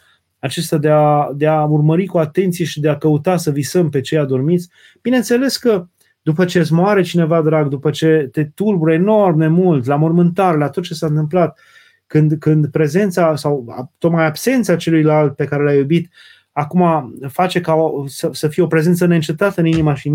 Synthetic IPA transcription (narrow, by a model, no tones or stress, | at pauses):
at͡ʃest̪ad̪e̞ad̪e̞aurməɾikuat̪e̞nt̪sije̞ʃid̪e̞akəut̪asəvisəmpe̞t͡ʃejad̪o̞rmit̪sʲ | b̥ine̞nt̪se̞le̞skə | d̪upət͡ʃezmoaɾe̞t͡ʃine̞vad̪ɾaɡd̪upət͡ʃe̞t̪e̞t̪urbuɾəeno̞rmne̞mult̪lamo̞rmɨnt̪arlat̪o̞t̪̚t͡ʃe̞saɨnt̪ɨmplat̪ | kɨnd̪kɨnd̪pɾe̞ze̞nt̪sasawa̰t̪o̞t̪̚majabse̞nt̪sat͡ʃe̞lujlalt̪̚pe̞kaɾe̞lajubit̪ | akumafat͡ʃe̞kaosəsəfijeo̞pɾe̞zent̪səneɨnt͡ʃep̚t̪at̪əɨninimaʃi